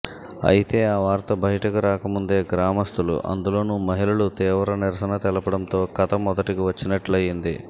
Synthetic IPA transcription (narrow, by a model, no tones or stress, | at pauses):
ɐ̰jit̪e̞ːaːʋaːɾt̪ɐbɐɦiʈɐkuɾaːkɐmund̪e̞ːɡɾaːmɐst̪ʰulṵʔɐ̰nd̪ulo̞ːnumɐɦilɐɭut̪iːʋɐɾɐniɾɐsɐnɐt̪ɛlɐpɐɽɐmt̪o̞ːkɐt̪ɐmːɔd̪ɐʈikiʋɐt͡ʃːinɐʈlɐjind̪i